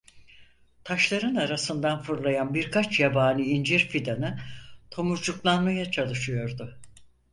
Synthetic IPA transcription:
t̪ʰaʃlˠaɾɯnaɾasɯnd̪anfɯɾlˠajanbiɾkʰat͡ʃjabaːnɯind͡ʒiɾfid̪anɯt̪ʰo̞muɾd͡ʒuklˠanmajat͡ʃʰalˠɯʃɯjo̞ɾd̪ʊ

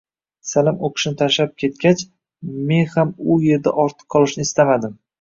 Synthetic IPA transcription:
salɪmoqʰɨ̥ʃnɪt̪ʰaʃlap̚kʲʰe̞t̪̚kʲat͡ʃ | me̞nhamʊje̞ɾd̪aʔɒɾt̪ʰɨ̥qʰːɒlˠɪʃnɪɪst̪amad̪ɪm

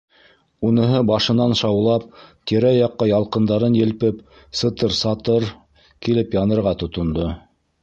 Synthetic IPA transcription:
unɤ̆ɦɤbɑʃɤ̆nɑnʃɑwlˠɑp̚t̪iɾæjɑqːɑjɑlˠqɤ̆nd̪ɑɾɤnjɘ̆lpɘp | sɤ̆t̪ɤɾsɑt̪ɤɾ | kilɘpjɑnɤ̆ɾʁɑt̪ŏt̪ŏnd̪o

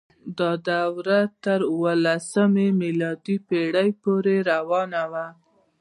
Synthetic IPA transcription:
d̪ɑd̪awɾat̪əɾʊwəlasəmemilɑd̪ipeɽəjpoɾeɾawɑnawa

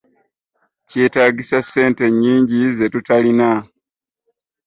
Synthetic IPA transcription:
ce̞ːtaːɟisasːe̞ːnte̞ɲːiːɲɟize̞tutalina

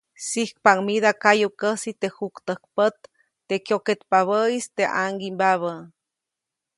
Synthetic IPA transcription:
sihk̚paŋmiðakajukəsit̪ehukt̪əhk̚pət̪̚ː | ekjoket̪paβəist̪eʔa̰ŋɡimbaβə

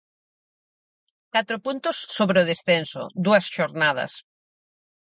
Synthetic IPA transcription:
kat̪ɾʊpunt̪ʊsːoβɾeʊðesθensʊ̰d̪uɐsʃoɾnað̞ɐ̰s

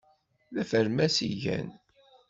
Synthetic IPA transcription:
ðæfəɾmæsḭʝæ̰n

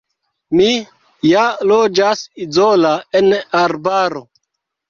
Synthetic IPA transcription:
mi | jalod͡ʒasizolaenaɾbaɾo

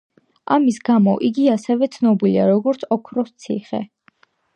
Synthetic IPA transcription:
amisɡamɔʔiɡiasɛvɛt̪sʰnɔbiliaɾɔɡɔɾt̪sʰɔkʰɾɔst̪sʰḭχɛ̰

